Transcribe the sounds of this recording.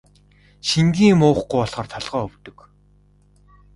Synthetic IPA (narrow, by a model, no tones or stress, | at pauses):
ʃiŋɡʲiːmʊːχɡujɔɮχɞ̆rt̪ʰɔɮʁœːɵwt̪ɵ̆k